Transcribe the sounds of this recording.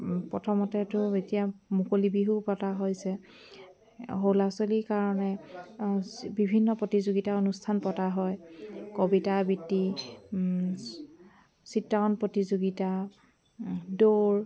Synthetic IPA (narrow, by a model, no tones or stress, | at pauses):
pɔtʰɔmɔtɛtʊetijamukolibiɦupɔtaɦojsɛ | ɦowlasolikaɹɔnɛ | bibʱinːɔpɹotizoɡitaonustʰanpɔtaɦɔjkobitabitːi | sitːaɔnpɹɔtizoɡita | doɹ